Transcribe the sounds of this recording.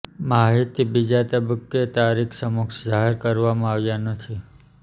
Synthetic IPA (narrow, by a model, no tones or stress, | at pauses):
maɦit̪ibid͡ʒat̪əbəkːet̪aɾikʰsəmukʃd͡ʒaɦeɾkəɾʋamãaʋjanət̪ʰi